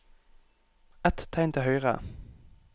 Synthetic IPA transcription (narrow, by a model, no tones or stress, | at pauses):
ɛt̪t̪ʰːæɪnt̪ʰɪhœʏʁə̰